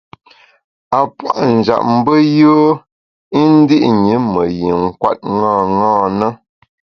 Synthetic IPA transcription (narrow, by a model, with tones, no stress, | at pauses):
a˨pwa˦˨ʔn̩˨d͡ʒa̰˨ʔ̚m̩˦bə˦jo˦ | i˦n̩˦di˦ʔɲi˨˦mə˨ji˨ŋ̩˦˨kwa̰˦t̚ŋãː˦˨ŋɔ̃ː˦˨nə˦